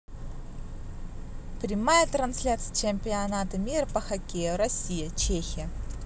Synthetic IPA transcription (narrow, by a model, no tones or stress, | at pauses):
pɾʲɪmajət̪ɾɐnsʲlʲat̪sɨjət͡ɕemʲpʲɪɐnat̪ɐmʲirpɐxɐkʲejʊɾɐsʲijət͡ɕexʲɪjə